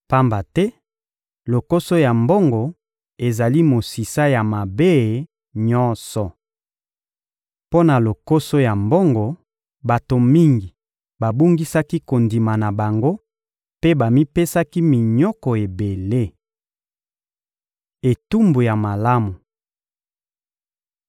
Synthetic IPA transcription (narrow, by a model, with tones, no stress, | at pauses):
pa˦mba˨tɛ˦ | lo˨ko˦so˦ja˨mbo˦ŋɡo˨ | e˨za˨li˦mo˨si˨sa˦ja˨ma˨be˦˨ | ɲɔ˦nsɔ˨ | po˦na˨lo˨ko˦so˦ja˨mbo˦ŋɡo˨ | ba˨to˨mi˦ŋɡi˨ | ba˨bu˦ŋɡi˦sa˦ki˦ko˨ndi˨ma˨na˨ba˨ŋɡo˦ | pe˦ba˨mi˦pe˦sa˦ki˦mi˨ɲɔ˦kɔ˨e˨be˨le˦ | e˨tu˦mbu˨ja˨ma˨la˦mu˨